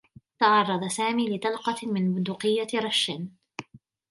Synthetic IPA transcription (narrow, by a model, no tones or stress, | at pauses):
t̪ɑʕɑrˤːɑd̪ˤɑsaːmiːlɪt̪ɑlqɑmɪnbʊd̪ʊqɪjːaɾˤɑʃːɪn